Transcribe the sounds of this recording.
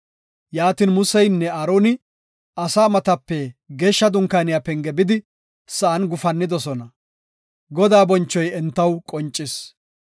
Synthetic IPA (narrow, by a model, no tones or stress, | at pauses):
jaːt̪iːnmʊsɛjnːɛɐɾoːnɪ | ɐsaːmɐt̪ɐpːɛɡeːʃːɐd̪ʊŋkaːnɪjapɛŋɡɛbɪd̪ɪ | sɐʔɐnɡʊfɐnːɪd̪ɔsɔnɐ | ɡɔd̪aːbɔnt͡ʃːɔjɛnt̪ːɐwkʼɔnt͡ʃʼːɪs